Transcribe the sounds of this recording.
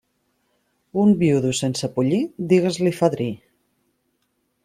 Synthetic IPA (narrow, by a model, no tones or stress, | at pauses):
umbiuðusensəpuʎid̪iɣəzlifaðɾi